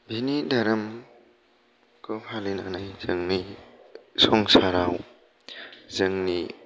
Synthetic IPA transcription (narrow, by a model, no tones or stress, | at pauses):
bʱinidaɾɐm | kɯpʰalinanajzɯŋni | sɔŋsaɾaw | zɯŋni